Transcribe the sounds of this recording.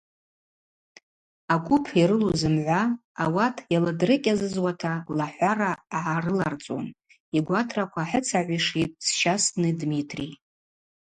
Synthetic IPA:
aɡʷʊpʰjaɾɨluzɨmʕʷaː | watʰjalɨdrɨkʲʼazɨzwatʰalaħʷaraʕarɨlart͡sʼo̰n | iɡʷatʰrakʷʰaħət͡sʰaʕʷiʂit̚ʼsʃasnɨdmitʰri

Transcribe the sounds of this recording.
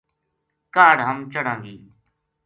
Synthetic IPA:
kaːɽɦəmt͡ʃəɽãːŋɡiː

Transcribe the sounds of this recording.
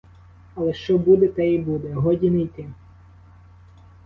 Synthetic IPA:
ɐlˠɛʃt͡ʃɔbud̪ɛt̪ɛibud̪ɛɦɔdʲinɛjt̪ɪ

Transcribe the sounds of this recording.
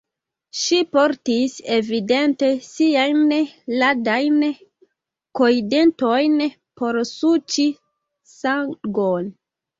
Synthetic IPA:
ʃipoɾtise̞vide̞nte̞siajnladajn | koide̞ntojn | po̞ɾsut͡ʃi | saŋɡon

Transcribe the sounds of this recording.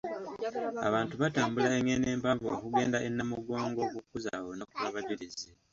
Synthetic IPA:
a̰βaːntuβataːmbulaeŋene̞ːmpavookuɡe̞ːndaʔenːamuɡoːŋɡo̞kukːuzawonokuβaβaɟiɾize

